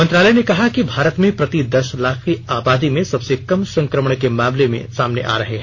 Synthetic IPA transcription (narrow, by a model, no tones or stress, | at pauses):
ɐ̃nt̪ɾaːləjnekɐɦakibʱaːɾət̪mẽpɾɐt̪id̪ɐʃlaːkʰiaːbaːd̪imẽsɐbsekɐmsɐ̃ŋkɾəməɳ̃kemãːmlemḛ̃saːmneʔa̰ːɾɐɦeɦɛ̃